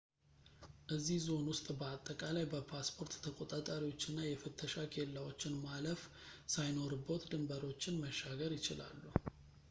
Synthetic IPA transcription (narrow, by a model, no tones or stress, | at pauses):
ʔɨzːihzo̞nwʊst̪ʼbəat̪ʼːəkʼalajbəpʰaspʰo̞ɾt̪t̪ʰːəkʼo̞t̪ʼat̪ʼaɾiwo̞t͡ʃːɪnːajɛfɨt̪ʰːəʃakʰe̞lːawo̞t͡ʃːɪnmaləf | sajno̞ɾbot̪d̪ɨmbəɾo̞t͡ʃːɪnməʃːaɡəɾjɪt͡ʃɪla̰lːu